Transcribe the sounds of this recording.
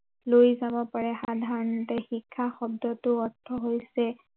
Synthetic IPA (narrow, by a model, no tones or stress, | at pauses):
lojzabɔpaɹɛxadʱaɹɔnɔtɛxikʰːaxɔb̚dɔtʊɔtʰːɔɦojsɛ